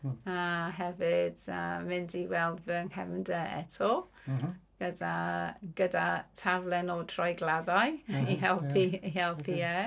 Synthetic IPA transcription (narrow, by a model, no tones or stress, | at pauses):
aɦɛvɪd̥ə̰mɪndiwɛlˠdvəŋhɛmdəɛ̰tʰɔ | ɡ̥ədaɡ̥ədatʰavlˠɛnɔdʰrɔjɡlˠadajiɦɛlˠpʰiiɛlˠpʰiɛ